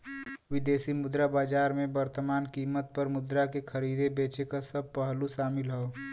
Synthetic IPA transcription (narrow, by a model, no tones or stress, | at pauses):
ʋɪd̪eːsimʊd̪ɾabaːd͡ʒaːɾmẽbəɾt̪əmaːnkiːmət̪̚pəɾmʊd̪ɾakekʰəɾiːd̪ebeːt͡ʃekasəb̚pəɦluʃaːmɪlɦɛo